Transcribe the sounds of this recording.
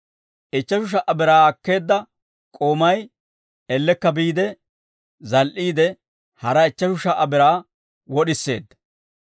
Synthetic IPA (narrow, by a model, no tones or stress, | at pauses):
ʔɪt͡ʃːɐʃʊʃ̬ɐʔɐbɪɾaːɐkːe̞ːd̪ːɐ | kʼoːmɐj | ɛlːɛkːɐbiːd̪ɛ | zɐlʔiːd̪ɛ | hɐɾɐɪt͡ʃːɐʃʊʃɐʔɐbɪɾaː | wɔɗɪsːe̞̰ːd̪ːɐ̥